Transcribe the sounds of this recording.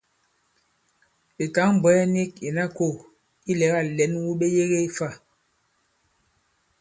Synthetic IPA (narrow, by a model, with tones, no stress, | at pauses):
i˨ta˨˦ŋm˨bɔ˨˦ɛ˦ni˦˨k̚i˨na˦ko˦˨ | i˦lɛ˨˦ɣa˦˨lɛ˨˦nwu˦ɓe˦je˦ɣe˦i˦fa˦˨